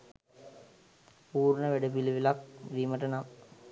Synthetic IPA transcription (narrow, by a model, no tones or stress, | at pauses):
puːrnəʋeɖəpiliʋilak̚ʋiməʈənam